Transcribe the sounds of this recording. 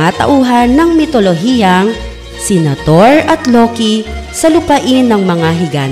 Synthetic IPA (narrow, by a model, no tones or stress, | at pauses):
at̪ɐ̰ʔuːɦɐnːɐŋmɪt̪oloɦiɐŋ | sɛnɐt̪oɹɐt̪loːkisɐlʊpɐʔɪnːɐŋmɐŋaɦɪɡa̰ːn